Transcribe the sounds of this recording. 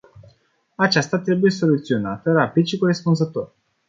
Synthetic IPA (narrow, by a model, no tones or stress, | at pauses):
at͡ʃast̪at̪ɾe̞buje̞so̞lut̪sio̞nat̪əɾapid̪ʃikoɾe̞spunzət̪o̞̰r